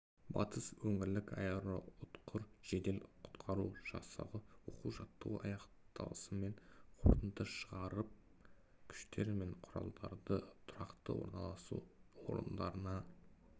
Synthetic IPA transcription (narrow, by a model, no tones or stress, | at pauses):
bɑ̰t̪ʰəswɵŋɪɾlɪkɑjeɾo̰ʊt̪qʰʊɾʒ̥e̞d̪e̞lqʰʊ̥t̪qʰɑɾuʒ̥ɑsɑ̰ʁəwo̞quwʒɑt̪ːəɑ̰jɑq | t̪ɑ̰lˠəsəme̞ɴqʰo̞ɾt̪ənt̪əʃəʁɑɾəp̚ | kʲʰʏ̥ʃt̪e̞ɾme̞ɴqʰʊɾɑ̰lˠd̪ɑɾd̪ət̪ʰʊɾɑqt̪ə̰wo̞̰ɾnɑlˠɑsṵwo̰ɾə̰nd̪ɑɾənɑ